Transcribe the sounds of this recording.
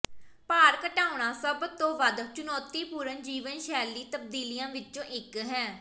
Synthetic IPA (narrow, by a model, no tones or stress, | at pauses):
paːɾkəʈaːʊɳ̃ãːsəbt̪õːʋəd̪t͡ʃʊnɔːt̪iːpuːɾənd͡ʒiːʋənʃɛːliːt̪əb̚d̪iːlɪjãːʋɪt͡ʃõːʔɪkɦɛː